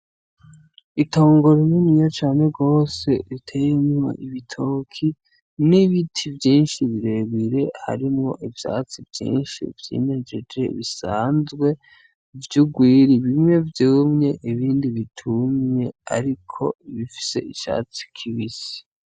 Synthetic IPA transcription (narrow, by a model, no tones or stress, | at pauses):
ito̞ːŋɡo̞ɾininijot͡ʃaːneɡo̞ːse̞ɾitʰe̞ːjeɲuma̰ʔiβitʰo̞ːkʰi | niβitʰivjiːnʃiβiɾe̞βiɾe̞ha̰ɾimŋo̞ʔivja̰ːt͡sivjḭːnʃḭvjḭned͡ʒed͡ʒe̞βisaːnzɡwe̞ | vjuɡwiːɾiβimɲe̞vjumɲe̞ʔiβiːndiβitʰumɲe̞a̰ɾikʰo̞̰iβifi̥se̞̰iʃa̰ːt͡si̥kʰiβisi̥